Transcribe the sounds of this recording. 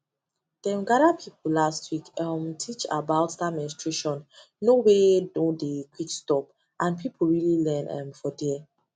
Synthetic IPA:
d̥ɛ̃mɡaɾapʰipulastʰwikamtʰit͡ʃa̰baʊttamɛ̃nstɹeʃɔ̃n | nowedõndekʰwikstɔp̚ | ʔãnpʰipʰulɹililɛ̃nɛ̰̃mfɔdɛ

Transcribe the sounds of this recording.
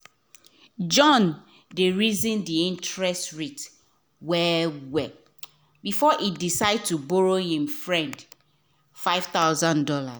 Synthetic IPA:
d͡ʒɔ̃n | deɹizĩndiĩntɹɛstɹit | wɛwɛ | bifɔʔidisaɪd̚tubɔɹohĩmfɹɛ̃nd | faɪv̥θaʊzãndɔla̰s

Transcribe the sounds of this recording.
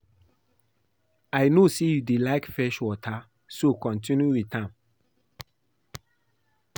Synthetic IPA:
aɪnosejudelaɪkfɛʃwɔtʰa | sokɔ̃ntĩnjuwitʰãn

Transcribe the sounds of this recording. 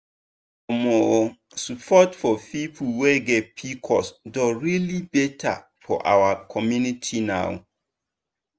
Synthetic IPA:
ɔmɔ | supʰɔtfɔpipʰuweɡɛt̚pʰikʰɔsdɔɹilibɛtʰa̰ | fɔ̰ʔa̰wakʰɔmjunitʰina̰w

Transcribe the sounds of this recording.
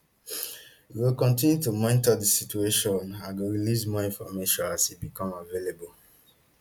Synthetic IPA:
iwilkɔ̃ntĩnjutumɔ̃ɪ̃ntɔdəsit͡ʃueʃɔ̃nãnɡoɹilismɔĩnfɔmeʃɔ̃nasitbikɔ̃mavelebol

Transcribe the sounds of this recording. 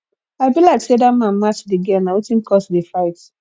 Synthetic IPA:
abilaɪksedamãnmat͡ʃdiɡɛnawetĩnkɔsdifaɪt

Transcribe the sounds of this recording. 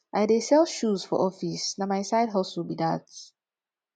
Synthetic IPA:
ʔajdesɛlʃuz̥fɔ̰ʔɔfisnamajsaɪdɦɔsulbida̰t

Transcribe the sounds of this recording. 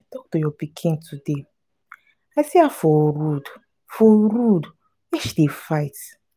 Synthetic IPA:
tɔk̚tojɔpikʰĩntʰude | aɪsiafɔɾud | fɔɾud | jɛʃdefaɪt

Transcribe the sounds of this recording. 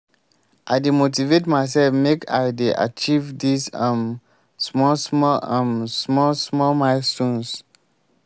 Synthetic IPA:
ʔaɪdemot̬ivetmaɪs̬ɛlfmekʰa̰ɪdeʔa̰t͡ʃivdisãm | smɔsmɔlãmsmɔsmɔmaɪsũns

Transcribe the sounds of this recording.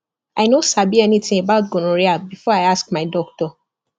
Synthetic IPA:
aɪnosabiɛnitĩebaʊt̚ɡõnoɹiabifɔaɪask̚maɪdɔk̚tɔ

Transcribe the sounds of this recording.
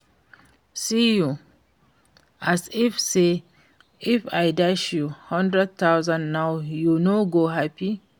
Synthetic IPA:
siju | ʔasifse | ifajdaʃjuhɔ̃ndɹɛd̚t̪awzãnnawjunoɡoɦapi

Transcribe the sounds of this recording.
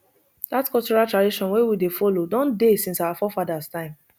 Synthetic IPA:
datkɔt͡ʃɔɹatɹadiʃɔ̃nwewidefɔlodɔ̃ndesĩnsawafɔfadastãɪ̃m

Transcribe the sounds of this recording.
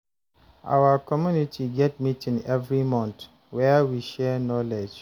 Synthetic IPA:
ʔa̰wakɔmjunitʰiɡɛt̚mitĩnɛvɹimɔ̃nt | wɛwiʃɛnɔled͡ʒ

